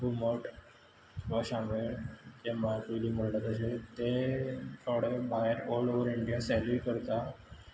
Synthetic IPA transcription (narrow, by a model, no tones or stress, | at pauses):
bʱuməʈ | ʋaɕãmeɭd͡ʑemaɾkujliːməɽlat̪əɕet̪et̪ʰɔɽebʱaɦeɾɔloʋəɾiɳɖijasɛlʋikəɾt̪a